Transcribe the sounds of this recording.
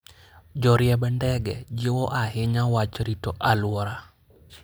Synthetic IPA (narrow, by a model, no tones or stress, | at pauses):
d͡ʒɔɾjɛbɛndɛɡɛd͡ʒɪwɔʔaɦɪɲawat͡ʃɾitɔʔalwɔɾa